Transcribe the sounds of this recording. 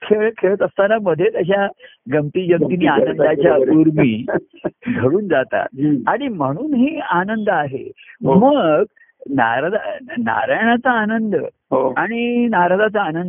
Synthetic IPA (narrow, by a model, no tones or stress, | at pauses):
kʰeɭkʰeɭət̪əst̪anaməd̪ʱːjet̪əɕ̬aɡəmt̪iːd͡ʑəmt̪inianənd̪at͡ɕjauɾmiː | ɡʱəɽuːnd͡zat̪a̰t̪̚aɽ̃im̤əɽ̃uːnɦiːanənd̪əaɦḛməɡ | na̰ɾad̪a̰na̰ɾajɳ̃at͡saːnənd̪ə | ɦoaɽ̃inaɾad̪at͡saːnənd̪ə